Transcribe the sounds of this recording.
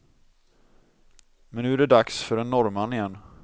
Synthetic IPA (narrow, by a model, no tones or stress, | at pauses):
mɛnːʉ̟ːæɖɛd̪aksfœɖɛnːɔɾmanɪjɛnː